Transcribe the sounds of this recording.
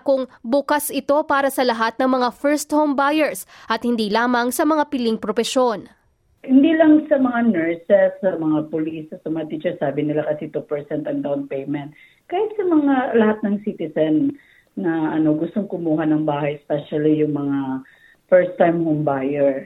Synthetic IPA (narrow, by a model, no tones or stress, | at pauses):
kʊŋbʊkasɪt̪o̞paːɾɐsɐlɐɦat̪̚nɐŋmɐŋafɛɹst̪hombajɛɹsʔɐt̪̚hɪnd̪iːlaːmɐŋsɐmɐŋapɪlɪŋpɾofɛʃo̞n | hɪnd̪iːlɐŋsɐmɐŋanɛɹsɛsːɐmɐŋapʊlisɐt̪sɐmɐat̪iːt͡ʃɛɹsaːbɪnɪlakɐsit̪upɛɹsɛnt̪ɐŋd̪awnpɛjmɛ̃nt̪̚ | kaːhɪt̪̚sɐmɐŋalɐhat̪̚nɐŋsit̪ɪsɛnː | ɐʔɐno̞ɡʊst̪o̞ŋkʊmuːɦɐnɐŋbaːhɐjɛspɛʃɐlijʊŋmɐŋa | fɛɹst̪ːajmhombajɛɹ